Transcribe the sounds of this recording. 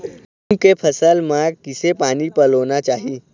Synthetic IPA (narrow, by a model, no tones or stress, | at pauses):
mkepʰəsəlmaɡ̚kisepanipəlonat͡ʃaɦi